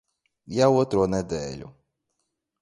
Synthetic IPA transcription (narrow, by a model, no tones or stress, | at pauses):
jawɔt̪ɾɔnɛd̪ɛlʲʊ̰